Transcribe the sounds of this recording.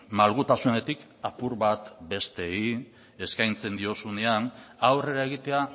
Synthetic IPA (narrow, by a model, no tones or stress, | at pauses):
malɣut̪asune̞t̪ik | apuɾβat̪be̞st̪e̞i | eskajnt͡se̞nd̪io̞sune̞anawre̞ɾae̞ɣ̞it̪e̞a